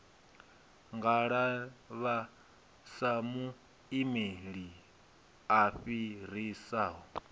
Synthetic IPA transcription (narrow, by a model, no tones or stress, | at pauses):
ŋɡaɺaβa | samu | imeɺi | aɸiɾ̤isaːɦɔ